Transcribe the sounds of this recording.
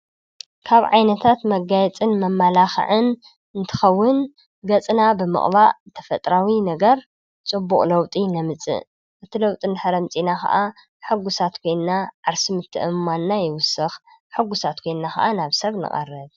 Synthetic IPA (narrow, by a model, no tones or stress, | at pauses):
kʰaβʕajnɐt̪ʰat̪mɐɡajɛt͡sʼɨnmɐmːalaxɐ̰ʕɨn | ɨnt̪ʰɨ̥xɐwːʊn | ɡɐt͡sʼnabɨmɨ̰χʼβaʔt̪ʰɐ̥fɐt̪ʼɾawinɐɡɐɾ | t͡sʼɨbːuχʼlɐwt̪ʼinɐmɨt͡sʼɨ̰ | ʔɨt̪ʰilɐwt̪ʼinɨħɨɾɐmt͡sʼinaxʰa̰ʔa | ħɨɡusat̪kʰo̞jnːaʕaɾsimɨt̪ʰːɨ̰ʔɨmːanːajɪwʊsɨx | ħɨɡʊsat̪kʰo̞jnnaxa̰ʔanaβsɐβnɨ̰χʼɐ̰rːɐd